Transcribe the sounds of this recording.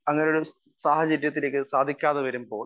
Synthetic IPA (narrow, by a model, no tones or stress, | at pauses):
ɐŋːɐneoɽu | saːhɐt͡ɕɐɾjɐt̪ːile̞ːkːɨsaːd̪ʱikʲːaːðɐʋɐɾumpo̞ːl